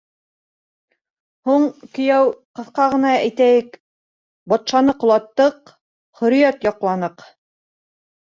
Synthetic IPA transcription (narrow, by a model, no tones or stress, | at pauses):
huɴkɵ̆jæwqɤ̆θqɑʁɤ̆nɑæjt̪æjɘk | bɒt̪ʃɑnɤqŏlˠɑt̪ːɤq | χɵ̆ɾĭjæt̪jɑqlˠɑnɤq